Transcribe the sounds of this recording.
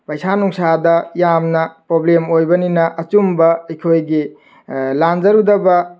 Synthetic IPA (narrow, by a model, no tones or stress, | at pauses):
pɐjsanuŋsadɐjamnɐpɾoblemojbɐninɐʔɐt͡ʃumbɐɐjkʰojɡi | land͡ʒɐɾudɐbɐ